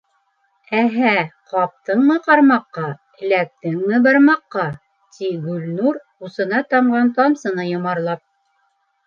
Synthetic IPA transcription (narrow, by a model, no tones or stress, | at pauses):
æɦæqɑp̚t̪ɤɴmɤqɑɾmɑqːɑ | ɘ̆læk̚t̪ɘŋmɘbɑɾmɑqːɑ | t̪iɡʉlnuɾ | usɤ̆nɑt̪ɑmɢɑnt̪ɑmsɤ̆nɤjŏmɑɾlˠɑp̚